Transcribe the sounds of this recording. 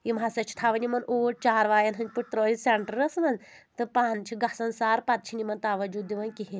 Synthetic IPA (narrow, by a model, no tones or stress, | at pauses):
imasɐt͡ʃʰi̥t̪ʰaʋɐnʲimɐnʔoʈ̚t͡ʃaːɾʋaːjɐnɦɐnd͡ʒpuʈ̚t̪ɾəɾiseɳʈəɾəsmɐnt̪ɨpant͡ʃʰiɡasɐnsaːɾpat̪̚t͡ʃʰinʲimɐnt̪aʋɐd͡ʒud̪iʋɐnkiɦe